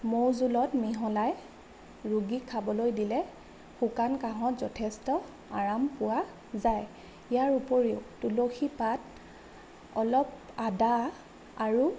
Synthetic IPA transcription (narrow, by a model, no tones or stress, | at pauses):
moɹzulɔtmiɦɔlaj | ɹuɡikʰabɔlojdilɛ | xukankaɦɔtzɔtʰɛstɔ | a̰ɹampʊwa | zaj | ijaɹupoɹiʊtuloxipat | ɔlɔp̚ | ada | aɹu